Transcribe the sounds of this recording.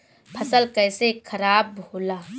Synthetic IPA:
pʰɐsəlkɛːsekʰəɾaːbɦoːlaː

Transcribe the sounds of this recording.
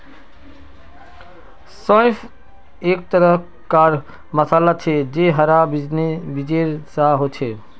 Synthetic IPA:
sɔ̃jpʰ | ek̚t̪əɾə | kaɾ | məsalat͡ʃʰed͡ʒeɦəɾabnebid͡ʒeɾsaɦot͡ʃʰe

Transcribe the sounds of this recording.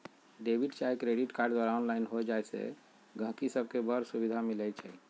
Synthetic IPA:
ɖebʱiɖt͡ʃaekɾeɖiʈkaɾɖd̪waɾaonlainɦod͡ʒajsḛ | ɡʱə̃ɦkisəb̚ʱkebəɾsubid̪ʱamilɛt͡ʃʰɛ

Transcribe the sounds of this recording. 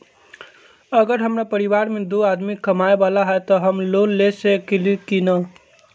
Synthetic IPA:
əɡəɾɦəmɾapəɾiʋaɾmed̪oad̪mikəmaebalaɦɛt̪ɔɦəmlonlesekelikinə

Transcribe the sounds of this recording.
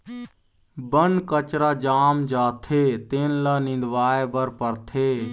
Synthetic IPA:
bənkət͡ʃɾaːd͡ʒaːmd͡ʒaːt̪ʰet̪eːnlanɪ̃nd̪ʋaːebəɾpəɾt̪ʰeː

